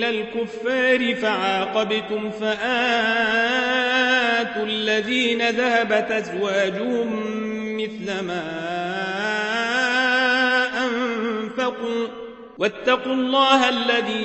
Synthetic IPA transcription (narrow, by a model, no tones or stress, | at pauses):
lalkʊfːaːɾɪfaʕaːqɑbɪt̪ʊmfaʔaː | t̪uːʔalːaðiːnaðahabat̪ʔazwaːd͡ʒʊhʊmː | ɪθlamaː | ʔanfaquː | wat̪ːɑqulˤːɑːɦaʔalːaðiː